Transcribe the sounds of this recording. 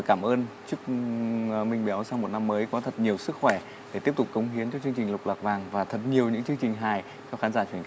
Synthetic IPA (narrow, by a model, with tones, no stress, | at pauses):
kaː˧˩mʔəː˧nt͡ɕɨ˦˥ək̚ | mï˧˩ŋ̟ɓa˨˦wsa˧wmo˨˩t̚na˧mːəː˨˦jkɔ˨˦t̪ʰə˨˩t̚ɲi˨˩əwsɨ˦˥k̚xwɛ˧˩ | ɗe˧˩i˦˥əp̚t̪ʊ˨˩k͡p̚kːə˨˦wŋ͡mɦi˨˦ənt͡ɕɔ˧t͡ɕɨ˧əŋt͡ɕi˨˩lʊ˨˩k͡p̚lwaː˨˩k̚vaː˨˩ŋvaː˨˩t̪ʰə˨˩t̚ɲi˨˩əwɲɨ̰˧˥ŋt͡ɕɨ˧əŋt͡ɕï˨˩ŋ̟ɦaː˨˩j | t͡ɕɔ˧xaː˨˦nzaː˧˩t͡ɕwi˧˩nk